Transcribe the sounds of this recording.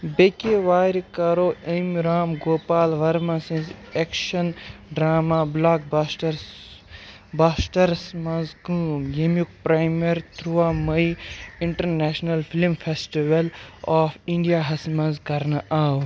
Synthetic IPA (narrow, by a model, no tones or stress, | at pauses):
bekeʋaːɾikɐɾoːɐmɾaːmɡoːpaːlʋɐɾmãsĩnzekʃɐnɖɾaːmablaːk̚basʈɐɾ | baːsʈɐɾsmɐ̃nzɡuːmjɐmjuk̚pɾaːjmeɾt̪ɾuamɐjiɳʈɐɾneːʃnɐlfʰilmfʰesʈiʋɐlɔːfʰiɳɖijaɦɐsmɐ̃nzkɐɾnɐʔaːw